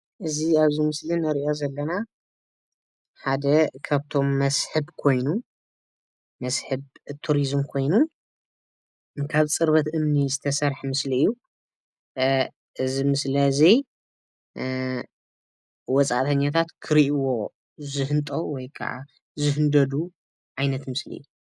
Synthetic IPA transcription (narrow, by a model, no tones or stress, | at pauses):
ʔɨziaβzimɨslinɐɾiʔozɐlːɐna | ħad̪ɐkʰaβt̪ʰo̞mːɐsħɨbkʰo̞jnu | mɐsħɨβt̪ʰuɾizmkʰo̞jnu | kʰaβt͡sʼɨɾβɐt̪ʔɨmnizɨt̪ʰɐsɐɾħmɨsliɨjːu | ʔɨzimɨslɐzi | wɔt͡sʼa̰ʔt̪ʰɐɲːat̪ʰat̪kʰɨɾiʔiwo̞ | zɨɦɨnt̪ʼɐwɔjkʰa̰ʕa̰ | zɨɦɨnd̪ɐd̪u | ʕajnɐt̪mɨslḭʔɨ̰jːu